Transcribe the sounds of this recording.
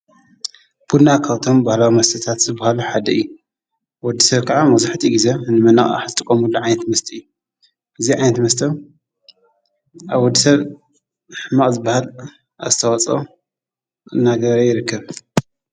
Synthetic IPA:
b̥ud̪nakʰaβt̪ʰo̞mbahlawimɐst̪ʰɐt̪ʰat̪zɨbːahaluħad̪ɐɨjːu | wɔd̪ːisɐβkʰaʕamɐzaħt̪ʰiɡizenɨmɐna̰χʼa̰ħzɨt̪ʼɨkʼːɐmulːuʕajnɐt̪mɐst̪ʰiɨjːu | ʔɨziʕajnɐt̪mɐst̪ʰɐ | ʔaβwɔd̪ːisɐβ | ħɨmaʔʼzɨbːahal | azɨt̪ʰɐwat͡sʼo | naɡɐɾɐjɪɾɨkʰːɐβ

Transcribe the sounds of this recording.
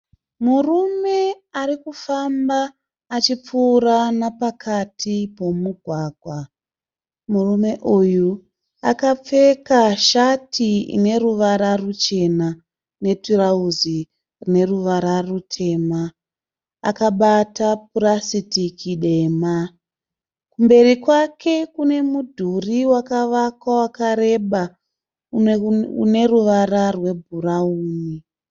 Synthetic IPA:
murume̞ | aɾikufambaː | t͡ʃip͡fuːɾanapakʰatʰipo̞muɡʱwaːɡʱwa | murume̞ʔuju | a̰kap͡fe̞kaʃatʰiḭne̞ruʋaɾarut͡ʃe̞na | ne̞tirauzi | rine̞ruʋaɾarutʰe̞ma | a̰kaɓatap̚urasitikʰiɗe̞ːma | kumbe̞rikwakʰe̞kune̞mudʱuriwakaʋakwawakaɾe̞ɓa | ṵne̞ruʋararwe̞bʱurauːni

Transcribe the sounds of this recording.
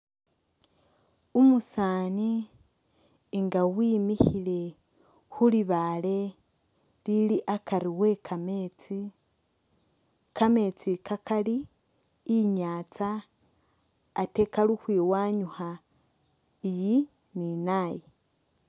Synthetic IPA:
umusaːni | ŋɡawiːmiçile̞ | xuliβale̞ | liliʔakaɾiwe̞kʰamet͡si | kame̞t͡sikakʰaliː | ɲaːt͡sa | te̞kaluxwiːwaːɲuha | iji | ninaːje

